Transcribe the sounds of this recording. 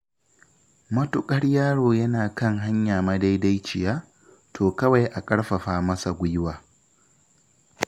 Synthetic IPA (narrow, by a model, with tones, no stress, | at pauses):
mɐ˦tʊ˨kʼɐ˦ɽjaː˦ɽoː˨jɐ˦naː˨kɐ˦ŋɦa˦ɲjaː˨mɐ˦da˦jda˦jt͡ʃɪ˨jaː˦ | tʰoː˨kɐ˦wa˨jʔa˨kʼɐ˦ɽɸɐ˨ɸaː˦mɐ˦sa˨ɡʷʊ˦jwaː˨